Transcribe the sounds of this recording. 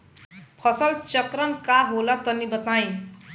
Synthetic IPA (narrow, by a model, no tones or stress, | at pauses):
pʰʌsʌlt͡sʌkɾʌmkaɦolʌt̪ʌnibʌt̪ajĩ